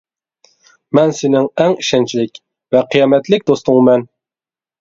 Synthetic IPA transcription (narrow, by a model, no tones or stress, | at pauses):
mɛnsɪnɪŋɛŋiʃɛnt͡ʃʰilɪkʲ | vɛqʰijɑːmɛt̪lɪk̚ʲd̪ost̪ʊŋmɛn